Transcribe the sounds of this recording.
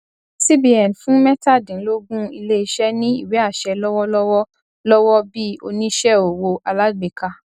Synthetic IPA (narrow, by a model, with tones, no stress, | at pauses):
si˦bi˦ɛ˨n˨fũ˦mɛ˦ta˦˨dĩ˨˦lo˦ɡũ˦i˧le˦i˧ʃɛ˦nĩ˦ḭ˦˨wɛ˨˦a˦˨ʃɛ˧lɔ˦wɔ˦lɔ˦wɔ˦ | lɔ˦wɔ˦bi˦o̰˧nĩ˦ʃɛ˦o˨wo˧a˨˧la˦ɡ͡be˨ka˨